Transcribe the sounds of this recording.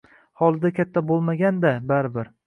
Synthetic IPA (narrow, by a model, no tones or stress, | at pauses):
hɒlˠd̪akʲʰat̪ʰːabolˠmaɡʲand̪abaɾɪbɪɾ